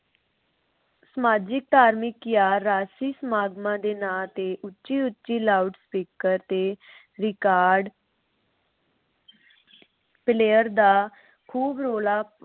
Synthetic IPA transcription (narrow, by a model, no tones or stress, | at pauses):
səmaːd͡ʒɪk̚t̪aːɾmɪkːjaːɾːaːsiːsəmaːɡmãːd̪eːnaːt̪eːʔʊtːʃiːʊtːt͡ʃiːlaːɖspiːkəɾt̪eː | ɾɪkaːɾɖ | pɪleːəɾd̪aː | kʰuːbɾoːlaː